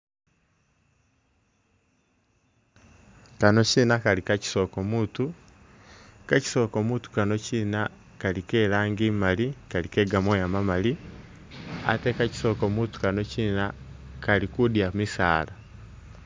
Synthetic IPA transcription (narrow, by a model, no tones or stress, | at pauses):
kanocinakalikaci̥sokomutu | kaci̥sokomutu̥kanocina | kalikeɾaːŋɡiːmalikalikeɡamwojamamali | a̰tekaci̥sokomutu̥kanocinakaɾikudiamisa̰ːla